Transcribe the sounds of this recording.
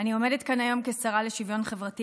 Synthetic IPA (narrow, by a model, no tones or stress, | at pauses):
anio̞medetkanajo̞mke̞saʁale̞ʃivjo̞nχe̞vʁati